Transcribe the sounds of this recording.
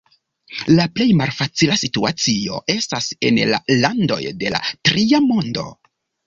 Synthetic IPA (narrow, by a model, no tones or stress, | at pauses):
laple̞jmalfat͡silasitua̰t͡sio̞̰ʔe̞stase̞̰nla̰lando̞̰jde̞la̰tɾiamo̞ndo̞̰